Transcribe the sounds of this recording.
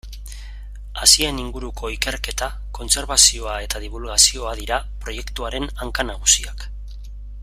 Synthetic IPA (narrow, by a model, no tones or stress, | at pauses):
asieniŋɡuɾukʰo̞ikeɾke̞t̪a | ko̞nse̞ɾβasio̞ae̞t̪aðiβ̞ulɣasio̞aðiɾa | pɾo̞je̞kt̪uaɾe̞naŋkanaɣ̞usiak